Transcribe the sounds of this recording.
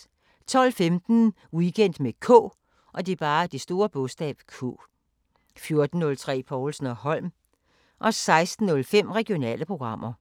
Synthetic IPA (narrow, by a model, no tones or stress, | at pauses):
t͡sʰɒ̽l̰femd̥n̩ | wikʰen̰d̥mekʰɔ̰ː | ʔɒ̽d̥eb̥ɑ̈ːd̥isd̥o̝ːɐb̥ɔ̽sd̥ɛ̰ːb̥kʰo̰ː | fjo̝ɐd̥n̩ːɔ̽lt͡sʰʁɛ̰ːpʰɒːlsn̩ɒhɒ̽l̰m | ʔɒ̽sɑ̈ɪsd̥n̩ːɔ̽lfem̰ʁɛɡ̥io̝nɛ̰ːləpʰʁo̝ɡ̥ʁɑ̈m̰ɐ